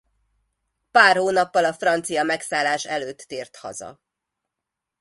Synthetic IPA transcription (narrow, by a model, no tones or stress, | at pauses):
paːrhoːnɒpːɒlɒfrɒnt̪sijɒmɛksaːlːaːʃɛløːt̪ːeːrt̪hɒ̰zɒ̰